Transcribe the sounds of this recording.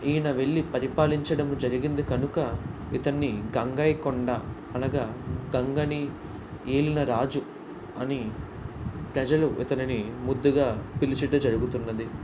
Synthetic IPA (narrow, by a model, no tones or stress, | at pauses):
iːnɐʋe̞ɭːipɐɾipaːliɲt͡ʃɐɽɐmud͡ʒɐɾiɡind̪ikɐnukɐ | it̪ɐnːiɡɐŋɡɐjkɔɳɖa | ɐnɐɡaːɡɐŋɡɐni | eːlinɐɾaːd͡ʒu | ɐni | pɾɐd͡ʒɐluʔḭt̪ɐninimud̪ːuɡaːpilit͡ʃɐʈɐd͡ʒɐɾuɡut̪unːɐd̪i